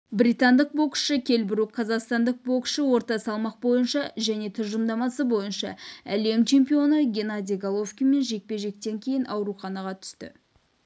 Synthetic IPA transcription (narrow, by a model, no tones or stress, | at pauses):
bɾit̪ɑnd̪əq̚bo̞kʃəkʲʰe̞lbɪɾuqʰɑzɑqst̪ɑnd̪əq̚bo̞kʃəwo̞ɾt̪ɑsɑlˠmɑq̚bo̞jənʃɑʒæne̞t̪ʰʊʒəmd̪ɑmɑsəbo̞jənʃɑ̰æ̰le̞mt͡ʃʰe̞mpijo̞nəɡʲe̞nad̪ijɡalˠo̞fskʲijme̞nʒe̞k̚pe̞ʒe̞k̚t̪e̞ŋkʲʰe̞jɪnɑwɾuχɑnɑʁɑt̪ʰʏ̥st̪ɪ̰